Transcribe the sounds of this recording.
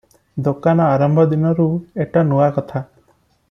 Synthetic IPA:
d̪okanɔaɾɔmbʱɔd̪inɔɾueʈanuwakɔt̪ʰa

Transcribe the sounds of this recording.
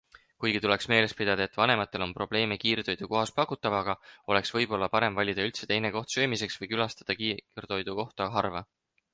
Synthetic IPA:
kujɡ̥it̪uleksme̞ːle̞spid̪̥ɑd̪̥ɑe̞t̪ːvɑne̞mɑt̪ːˑe̞lo̞npro̞b̥le̞ːmekiːrd̪o̞jd̪̥uko̞ɦɑspɑkˑːut̪ːˑɑvɑɡ̥ɑo̞le̞ksvɤ̞jb̥o̞lːɑpɑɾe̞mvɑlʲid̪̥ɑylt̪se̞t̪e̞jne̞ko̞ht̪søːmise̞ksvɤjkylɑst̪ɑd̪̥ɑkiːrd̪o̞jd̪uko̞ht̪ɑɦɑrvɑ

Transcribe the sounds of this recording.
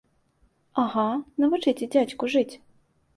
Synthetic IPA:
aɣanɐvɨt͡ʂɨtʲɪd͡zʲat͡ɕʲkʊʐɨt͡sʲ

